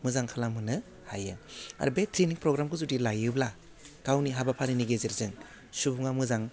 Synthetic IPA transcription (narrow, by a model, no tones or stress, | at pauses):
mɯzaŋkʰalamɯnɯ | hajɯa̰ɾubetʰɾiniŋpɾɔɡɾamkʰɯzudilajɯbla | kawniɦabapʰaɾiniɡezeɾzɯŋ | subuŋamɯzaŋ